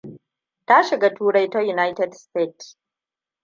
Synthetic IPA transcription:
ta˦ʃɪ˨ɡa˦tuː˦ɽɐ˦jto˦ju˨na˦jtɛ˦dsteː˦˨ts

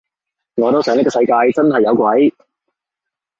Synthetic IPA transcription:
ŋɔː˨˧t̪o˥wsœː˨˧ŋnɪ˥kɔː˧sɐ˧jkaː˧jt͡sɐ˥nɦɐ˨jːɐ˨˧wkʷɐ˨˥j

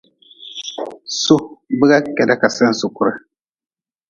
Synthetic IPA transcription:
so˦bɨ˦ɣa˦kɛ˨da˦ka˨sɛ˦n̩˦so˨kʊ˦ɾa˨

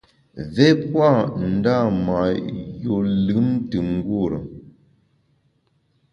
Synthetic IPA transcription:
vɛ˦pwa˦˨n̩˨˦da˦˨ma˨jo˨lɨ˨˦m˦tɨ˨ŋ̩˦ɡwo˦˨ɾə̰˨

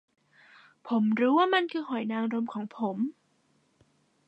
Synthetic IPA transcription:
pʰo˩˦mɾuː˦˥waː˥˩ma˧nkʰɯː˧hɔ˨˩˦jnaː˧ŋɾo˧mkʰɔː˩˦ŋpʰo˩˦m

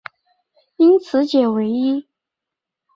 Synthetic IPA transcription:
i˥nt͡sʰɹ̩˧˦t͡ɕjɛ˨˩we˧˥ɪi˥

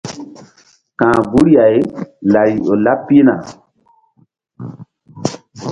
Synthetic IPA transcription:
kãː˨ɡu˦ɾi˦a˨jla˨ɾi˨o˨la˦pːi˦na̰˨

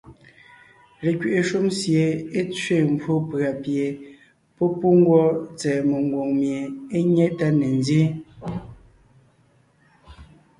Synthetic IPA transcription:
le˨kɥe˨ʔe˨ʃu˦msje˨e˦t͡sɥe˦˨m̩˨bʰwo˦pɰa˨pje˨ | pɔ˦pu˦ŋ˦ɡwɔ˦t͡sɛː˨mo˨ŋ˨ɡwo˨ŋmje˨e˦ɲɛ˦ʔta˦ne˨ndje˦

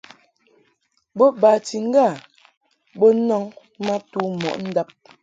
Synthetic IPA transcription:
bo˦ba˨ti˨ŋ̩˦ɡa˦˨ | bo˦nɔ˦ŋ | ma˦tu˦mɔ̰˨ʔn̩˦da˦p̚

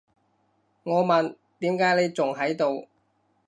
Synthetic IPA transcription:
ŋɔː˨˧mɐ˨n | t̪iː˨˥mkaː˨˥jle˨˧jt͡sʊ˨ŋɦɐ˨˥jt̪o˨˧w

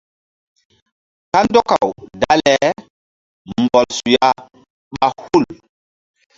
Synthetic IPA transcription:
ka˦ndɔ˦ka˨wda˦lɛ˨˦ | m˨bɔ˨lsu˨ja˦ | ɓa˨hu˦˨l

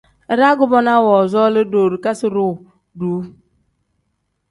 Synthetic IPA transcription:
ɾa˦ɡʊ˦bɔ˦na˦wɔ˨zɔ˦lə˦do˨ɾɨ˨ka˦si˦ɾo˦˨ | duː˨˦

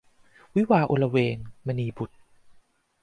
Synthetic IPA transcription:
wi˦˥waː˧ʔo˧la˧weː˧ŋma˧niː˧bu˨˩t̪̚

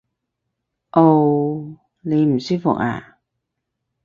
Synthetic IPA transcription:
ʔo˧w | le˨˧jm̩˨˩si˥k̚fʊ̰˨˩k̚ʔa̰ː˨˩

